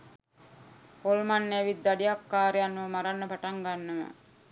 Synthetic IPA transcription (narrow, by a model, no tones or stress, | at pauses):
holmanːeʋid̪ːaɖiakːaːɾejanːuʋəmaɾanːəpaʈaŋɡanːəmə̰